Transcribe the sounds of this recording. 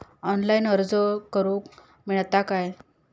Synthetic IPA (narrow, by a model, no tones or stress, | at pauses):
ɔnlainəɾd͡zəkːəɾũːk | miɭt̪akaj